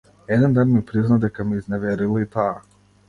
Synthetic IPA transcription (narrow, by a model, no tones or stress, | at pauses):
ɛd̪ɛnd̪anmipɾiznad̪ɛkamiiznɛʋɛɾilˠait̪a